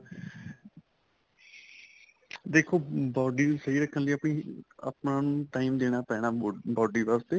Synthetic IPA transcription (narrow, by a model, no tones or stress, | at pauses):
d̪eːkʰoːbɔːɖiːnũːsəiːɾəkʰːənləiːəpɳĩːə̰pnãːnũːʈaːiːmd̪eːɽ̃aːpɛːɽ̃aːbɔːɖiːʋəst̪eː